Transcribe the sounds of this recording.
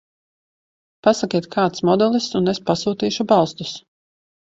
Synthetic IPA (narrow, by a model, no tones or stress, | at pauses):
pasakʲiɛt̪kʰaːt̪smɔd̪ɛlˠist̪unespasuːt̪iːʃubɑlˠst̪u̥s